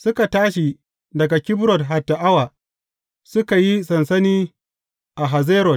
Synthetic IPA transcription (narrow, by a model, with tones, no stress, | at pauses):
sʊ˦ka˨taː˦ʃi˨ | dɐ˨ɡa˨kʲɪ˦bɾɔ˨tɦa˨tːa˨ʔa˦waː˨ | sʊ˦ka˨ji˦sɐ˨nsɐ˦niː˦ | ʔa˨ɦa˨zeː˦ɾɔ˨t̚